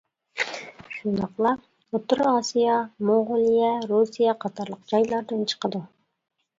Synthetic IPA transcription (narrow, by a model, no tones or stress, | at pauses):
ʃunɑqlˠɑ | ot̪ʊɾɑsijɑmoʁolˠijɑɾusijɑqʰɑt̪ɑɾlˠəqd͡ʒɑjlˠɑɾd̪ɨnt͡ʃʰə̥qəd̪u